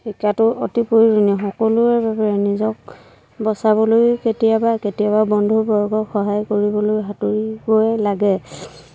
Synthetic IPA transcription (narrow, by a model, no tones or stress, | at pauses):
xikatʊotipoɹiɹunɛxɔkɔlʊɛɹbapaɹɛnizɔk̚ | bɔsabɔlojketijabaketijaβabɔndʱubɔɹɡɔxɔɦajkoɹibɔlojɦatuɹiboɛlaɡɛ